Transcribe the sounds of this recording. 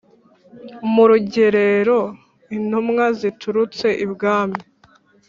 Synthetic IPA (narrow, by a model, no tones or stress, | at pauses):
muɾuɟe̞ɾe̞ɾo̞ | in̥humŋazitʰuɾut͡se̞ʔibɡaːmi